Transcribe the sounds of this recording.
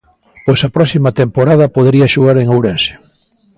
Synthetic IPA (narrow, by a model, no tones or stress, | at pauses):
pojsɐpɾɔsimɐt̪empoɾað̞ɐpoðeɾiɐʃuɣaɾeŋowɾɛnse̥